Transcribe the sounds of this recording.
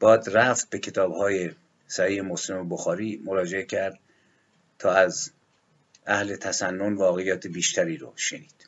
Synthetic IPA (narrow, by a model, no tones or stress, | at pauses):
b̥ɒːd̪ræft̪̚becʰe̞t̪ʰɒːbhɒːje | sæhiːhemosemoboxɒːɾiːmoɾɒːd͡ʒe̞ecʰæɾd̪̥̚ | t̪ʰɒːæz | ʔæhle̞t̪ʰæsænːonvɒːɣejɒːt̪ʰebiːʃt̪ʰæɾiːɾo̰ʃe̞niːd̪̥